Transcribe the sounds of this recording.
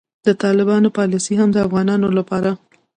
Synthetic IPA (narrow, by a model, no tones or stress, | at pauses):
d̪ət̪ɑlɪbɑnopɑlisiɦamd̪əafɣɑnɑnolapɑɾa